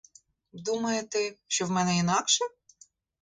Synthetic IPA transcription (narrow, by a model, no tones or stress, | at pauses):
d̪umɐjet̪ɛʃt͡ʃɔwmɛnɛinɑkʃɛ